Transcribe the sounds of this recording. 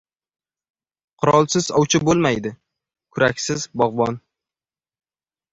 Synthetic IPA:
qʰʊɾɒlˠsɪzɒwt͡ʃʰɪbolˠmajd̪ɪ | kʰʊɾakʲsɪzbɒʁbɒn

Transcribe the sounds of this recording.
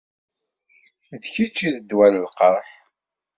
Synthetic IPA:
ðçit͡ʃːiðəd̪wæləlqəɾˤħ

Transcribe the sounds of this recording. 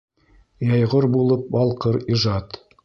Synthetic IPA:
jɑjʁoɾbulˠɤp̚bɑlˠqɤɾiʒɑt̪

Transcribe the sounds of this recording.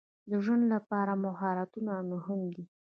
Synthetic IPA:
d̪əʒwənd̪lapɑɾamʊɦɑɾat̪unanʊɦʊmd̪i

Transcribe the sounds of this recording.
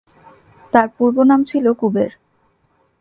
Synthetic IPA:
t̪aɾpuɾbonamt͡ɕʰilokubeɾ

